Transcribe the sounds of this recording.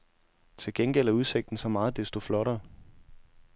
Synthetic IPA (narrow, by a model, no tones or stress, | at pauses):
t͡sʰe̝lɡ̥enɡ̥elæuð̞ˠse̝ɡ̥̚d̥n̩sɒ̽mɑ̈ːð̩ˠd̥esd̥o̝flɒ̽ɾɐ